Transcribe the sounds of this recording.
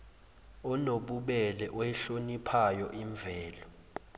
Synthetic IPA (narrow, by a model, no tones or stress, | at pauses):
ɔnoɓuɓɛlɛʔɔɛɬonipʰajɔʔiɱvʱɛːlɔ